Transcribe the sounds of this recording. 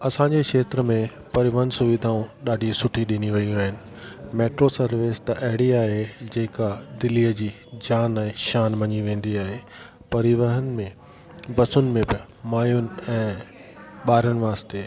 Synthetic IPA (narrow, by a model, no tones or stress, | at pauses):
ɐsãɲd͡ʑekʃeːt̪ɾəmẽ | pɐɾɪʋəɦənɪ̆sʊʋɪd̪ʱaːũɗaːɖʱisʊʈʰiɗɪniʋɐiũaːɦɪnɪ̆ | meːʈɾosɐɾʋɪst̪ɐʔɐɦɪɽiaːɦed͡ʑeːkad̪ɪliːəd͡ʑiː | d͡ʑaːnɛ̃ːʃaːnʋɐɲiʋẽːnd̪iaːɦe | pɐɾɪʋəɦənɪ̆mẽ | bɐsʊnɪ̆mẽbɪ | maːjʊnɪ̆ɛ̃ː | ɓaːɾənɪ̆ʋaːst̪eː